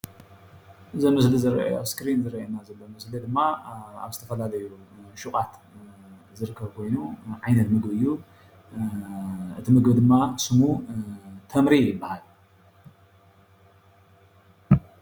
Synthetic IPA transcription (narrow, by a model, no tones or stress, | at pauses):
ʔɨzomɨslizɨɾɐ̰oskɾinzɨɾɐʔjenazɐlːomɨslid̪ɨmːaa̰βzɨt̪ʰɐfɐlalɐjuʃuχʼat̪ | zɨɾɨkʰːɐβkʰo̞jnuʕajnɐt̪mɨɡbɨjːu | ʔɨ̰t̪ʰimɨɡbd̪ɨmːasɨmu | t̪ʰɐmɾijɪbːahal